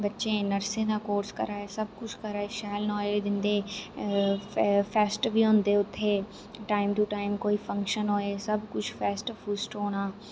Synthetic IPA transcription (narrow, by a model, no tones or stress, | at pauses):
bətːʃẽːnəɾsẽːd̪ãːkoːɾskə̰ɾaːesəb̚kʊt͡ʃʰkəɾaːeːʃɛːlnɔːleːd̪ɪnd̪eː | pʰɛːsʈbiːɦʊ̃nd̪eːʊt̪ʰːeː | ʈaːɪmt̪uːʈaːɪmkoːiːpʰə̃ŋkʃənɦoːeːsəbkʊt͡ʃʰpʰɛːsʈpʰuːsʈoːɽ̃aː